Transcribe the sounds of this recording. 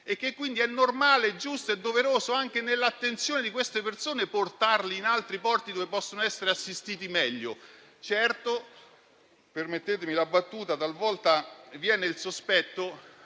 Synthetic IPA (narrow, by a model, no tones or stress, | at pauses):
ek̟ːekːwind̪iɛnːormaːled͡ʒːust̪oed̪ːoveɾoːzoaŋk̟enelːat̪ːent̪sjoːned̪ikwest̪epersoːneport̪arliːnalt̪ɾipɔrt̪id̪ovepɔsːonoɛsːeɾeasːist̪iːt̪̬imɛʎːo̰ | t͡ʃɛrt̪o | permet̪ːeːt̪̬emilabːat̪ːuːt̪at̪alvɔlt̪avjɛːneilsospɛt̪ːo